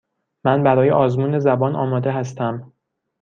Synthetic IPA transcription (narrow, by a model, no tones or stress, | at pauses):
mænbæɾɒːjeʔɒːzmuːne̞zæbɒːnʔɒ̰ːmɒːd̪e̞ɦæst̪æm